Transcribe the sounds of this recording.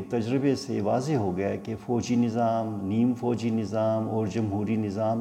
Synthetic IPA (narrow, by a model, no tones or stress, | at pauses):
t̪ɐd͡ʒɾɪbesḛʋaːzeɦoɡɐjakefɔːd͡ʒinɪzaːmniːmfɔːd͡ʒinɪzaːmɔːɾd͡ʒɐmɦuːɾinɪzaːm